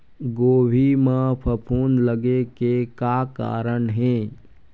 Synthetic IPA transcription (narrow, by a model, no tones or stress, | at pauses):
ɡoːbʱimãpʰəpʰuːnləɡekekaka̰ːɾənɦẽ